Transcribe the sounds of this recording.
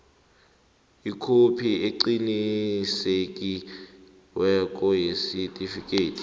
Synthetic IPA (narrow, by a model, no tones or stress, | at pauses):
ikʰopʰieǀinisekʼi | wɛk̬ʼɔjesitʼifikʼeːtʰi̥